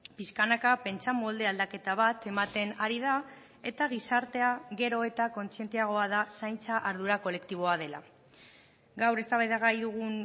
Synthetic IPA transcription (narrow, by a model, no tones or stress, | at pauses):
piskanakape̞nt͡samo̞ld̪e̞ald̪ake̞t̪aβ̞at̪e̞mat̪e̞naɾið̞a | e̞t̪aɣ̞isaɾt̪e̞aɣe̞ɾo̞e̞t̪ako̞nt͡sie̞nt̪iaɣ̞o̞að̞asajnt͡saʔaɾðuɾako̞le̞kt̪iβ̞o̞að̞ela̰ | ɡawre̞st̪aβajðaɣajðuɣ̞un